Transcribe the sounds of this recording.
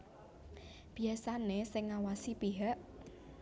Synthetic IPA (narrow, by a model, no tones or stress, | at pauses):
b̥i̤asanesɪŋːawasipiɦəʔ